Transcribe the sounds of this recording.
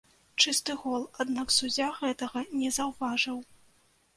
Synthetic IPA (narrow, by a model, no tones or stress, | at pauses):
t͡ʂɨst̪ɨɣɔlˠad̪naksud͡zʲaɣɛt̪ɐɣɐnʲɛzɐwvaʐɨw